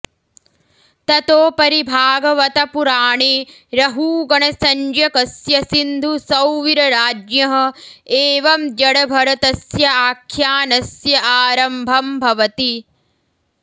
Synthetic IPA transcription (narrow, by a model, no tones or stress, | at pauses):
t̪ɐt̪oːpɐɾibʱaːɡɐʋɐt̪ɐpuɾaːɳeː | ɾɐɦuːɡɐɳɐsɐɲd͡ʒɐkɐsjɐsind̪ʱusɐwʋiɾɐɾaːd͡ʒjɐɦɐ̆eːʋɐmd͡ʒɐɽɐbʱɐɾɐt̪ɐsjɐaːkʰjaːnɐsjɐʔaːɾɐmbʱɐmbʱɐʋɐt̪i